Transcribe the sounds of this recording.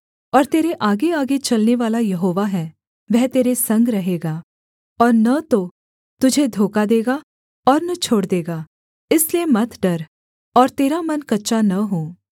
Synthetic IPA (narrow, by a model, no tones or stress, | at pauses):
ɔːɾt̪eːɾeʔaːɡeaːɡet͡ʃɐlneʋaːlajɐɦoːʋaɦɛː | ʋɛɦt̪eːɾesɐ̃ŋɡɾɐɦeːɡaː | ɔːɾnɐt̪o | t̪ʊd͡ʒʱed̪ʱoːkad̪eːɡa | ɔːɾnɐt͡ʃʰoːɽd̪eːɡaː | ɪsliemɐt̪ʰɖɐɾ | ɔːɾt̪eːɾamɐnkɐtːʃanɐɦoː